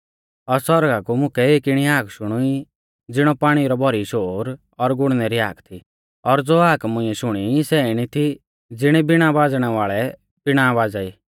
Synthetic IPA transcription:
ɔɾsɔɾɡakumʊ̃kʰɛeːkɪɽ̃iaːkʰʃʊɽ̃ui | d͡zɪɽ̃ɔpaːɽ̃iɾɔbʱɔɾiʃoːɾ | ɔɾɡʊɽ̃nɛɾia̰ːkʰt̪ʰi | ɔɾd͡zoːaːkmʊ̃ɪ̃ɛʃʊɽ̃isɛɪɽ̃it̪ʰi | d͡zɪɽ̃ɛbɪɽ̃abaːd͡zɽ̃ɛʋaːɭɛ | b̥ɪɽ̃abaːd͡zaiː

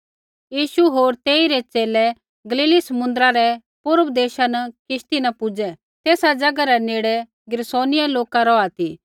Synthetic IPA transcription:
jiːʃuɦoːɾt̪eːiɾɛt͡ʃeːlɛ | ɡɐliːlisɐmʊ̃nd̪ɾaɾɛ | pʊɾəbd̪eːʃanɐkɪʃt̪inɐpʊd͡ʒɛ | t̪eːsad͡ʒɐɡaɾɛneːɽɛ | ɡɪɾsoːnɪjaloːkaɾɔat̪i

